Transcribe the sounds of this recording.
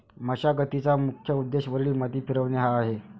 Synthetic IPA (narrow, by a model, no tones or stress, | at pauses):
m̤əɕaɡət̪it͡samukʰjəud̪ːeɕʋəɾɭiːmat̪iːpiɾəʋneɦaːɦe